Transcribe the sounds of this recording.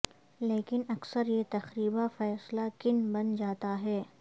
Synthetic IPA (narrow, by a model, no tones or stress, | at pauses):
leːkɪnɐksəɾjet̪ɐxɾiːbafɛːslakɪnbɐnd͡ʒaːt̪aɦɛː